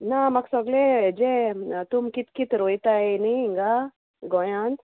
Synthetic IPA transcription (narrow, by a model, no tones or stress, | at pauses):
namɐksɔɡled͡ʒet̪ʊmkit̪kit̪ɾojt̪aeniiŋɡa | ɡɔjãːnt̪